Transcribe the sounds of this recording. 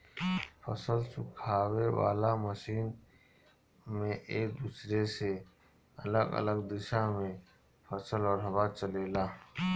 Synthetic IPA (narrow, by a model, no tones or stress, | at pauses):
pʰəsəlsʊkʰaːwewa̰ːlaməʃiːn | mẽʔeːk̚d̪usɾese | ɐləɡə̰ləɡd̪ɪʃamẽ | pʰəsəlɔːɾɦɐbaːt͡ʃəleːlaː